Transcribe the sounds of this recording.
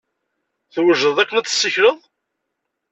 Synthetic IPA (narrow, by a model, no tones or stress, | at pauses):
θwəʒəðˤækːənæt͡s̪ːə̥sːəçɾəðˤ